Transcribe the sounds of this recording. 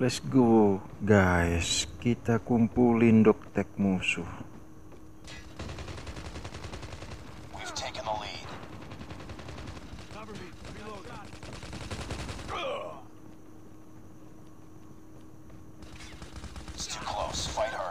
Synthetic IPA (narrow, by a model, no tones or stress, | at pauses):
lɛsɡo | ɡaɪskit̪akumpulindʊk̚t̪ɛk̚musuh | wiv̥tʰeɪkə̃nəlid̥ | stʰikʰl̥oʊsfaɪt̚hə˞